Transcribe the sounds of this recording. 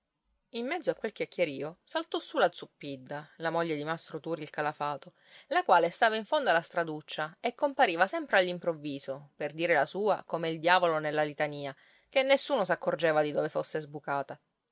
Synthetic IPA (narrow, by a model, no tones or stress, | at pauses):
imːɛd̪zːoakːwelkʲjakːjeɾiːosalt̪ɔsulad̪zupːid̪ːalamoʎːed̪imast̪ɾot̪uːɾilkalafaːt̪o | lakwaːlest̪aːvaiɱfond̪oalast̪ɾad̪ut͡ʃːaekːompaɾiːvasɛmpɾealːimpɾovːiːzoperd̪iːɾelasuːakomeild̪jaːvolonelːalit̪aniːa | kenːesːuːnosakːord͡ʒeːvad̪id̪oːvefosːezbukaːt̪a